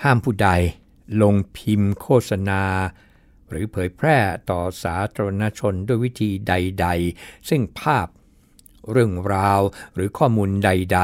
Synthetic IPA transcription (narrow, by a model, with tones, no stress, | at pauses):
haː˥˩mpʰuː˥˩da˧j | lo˧ŋpʰi˧mkʰoː˥˩t̪̚sa˧naː˧ | ɾɯː˩˦pʰɤː˩˦jpʰɾɛː˥˩t̪ɔː˨˩saː˩˦t̪ʰaː˧ɾa˧na˦˥t͡ɕʰo˧ndu˥˩əjwi˦˥t̪ʰiː˧da˧jda˧jsɯ˥˩ŋpʰaː˥˩p̚ | ɾɯ˥˩əŋɾaː˧wɾɯː˩˦kʰɔː˥˩muː˧nda˧jda˧